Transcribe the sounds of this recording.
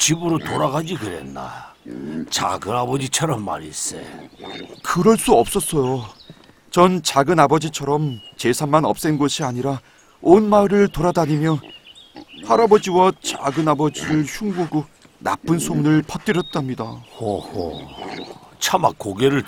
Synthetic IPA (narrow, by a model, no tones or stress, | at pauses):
t͡ɕibuɾotoɾaɡad͡ʑiɡɯɾḛnːa̰ | t͡ɕa̰ɡɯnabʌd͡ʑit͡ɕʰʌɾʌmːa̰ɾḭs͈ḛ | kɯɾʌɭs͈uʌp̚s͈ʌs͈ʌjo | t͡ɕʌnt͡ɕaɡɯnabʌd͡ʑit͡ɕʰʌɾʌmt͡ɕe̞sʰanmanʌ̰p̚s͈enɡʌɕʰiaɲiɾa | onmaɾɯɭtoɾadaɲimjʌ | haɾabʌd͡ʑiwat͡ɕaɡɯnabʌd͡ʑiɾɯɭçʰuŋɡaɡo | na̰p͈ɯnsʰoŋnɯɭpʰʌt͈ɯɾjʌt̚t͈amɲidaoho̰ | t͡ɕʰamak͈ːoɡeɾɯɭ